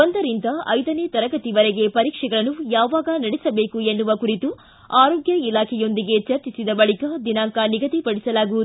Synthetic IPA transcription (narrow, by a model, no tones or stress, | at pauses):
ond̪ɐɾind̪ɐɐ̰jd̪ɐneːt̪ɐɾɐɡɐt̪iʋɐɾɛɡe̞pɐɾiːkʂɛɡɐɭɐnːujaːʋaːɡɐnɐɽɛsɐbe̞ːkue̞nːuʋɐkuɾit̪u | aːɾoːɡjɐilaːkʰɛjo̞nd̪iɡe̞t͡ʃɐɾt͡ʃisid̪ɐbɐɭikad̪inaːŋkaniɡɐt̪ipɐɽisɐlaːɡuʋud̪u